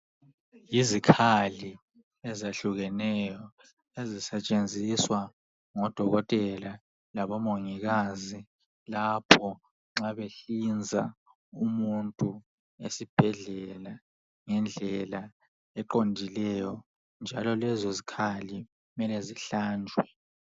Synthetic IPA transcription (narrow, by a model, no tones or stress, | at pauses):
jizikʰali | ɛzeɬuɣɛnɛjɔ | ezisɛt͡ʃʼend͡zʱiswa | ŋɔd̥ʱɔɣɔtʼɛla | laβɔmoŋiɣazi | lapʰɔ | ŋ͡ǁaβeɬind͡zʱa̰ | umuntʼu | esib̥ʱɛɮɛla | ŋɛnd͡ɮʱɛla | ɛǃondʱilɛjɔ | nd͡ʒʱalɔlɛzɔzikʰali | umɛlɛziɬaːnd͡ʒʱwɛ